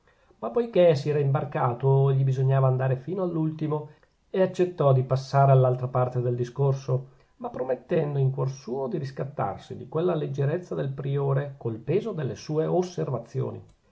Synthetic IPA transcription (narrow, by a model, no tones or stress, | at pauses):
mapːojkesiɛːɾaimbarkaːt̪oʎːibizoɲːaːvaːnd̪aːɾefiːnoalːult̪imo | eat͡ʃːet̪ːɔd̪ipasːaːɾealːalt̪ɾapart̪ed̪eld̪iskorso | mapːɾomet̪ːɛnd̪oiŋkwɔrsuːod̪iɾiskat̪ːa̰rsid̪ikwelːaled͡ʒːeɾet̪sːad̪elpɾioːɾekolpeːzod̪elːesuːeosːervat̪sːjo̰ːnḭ